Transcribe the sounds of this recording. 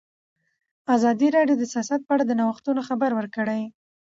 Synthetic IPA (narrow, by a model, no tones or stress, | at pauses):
azɑd̪iɾɑɖjod̪əsijɑsat̪̚pəaɽad̪ənawəxt̪unoxabaɾwəɾkəɽaj